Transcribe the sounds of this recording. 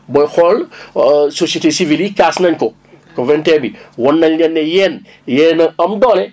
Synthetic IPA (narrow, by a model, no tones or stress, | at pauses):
bɔjxɔl | sosietesivilikasnɐɲkɔ | kɔvɛntɛːbiwɔnːɐɲɲɛnːɛjɛːn | jɛːnɐɐmdɔːlɛ